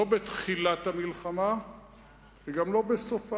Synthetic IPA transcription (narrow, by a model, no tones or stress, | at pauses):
obet̪χilat̪hamilχama | veɡamlo̞besofa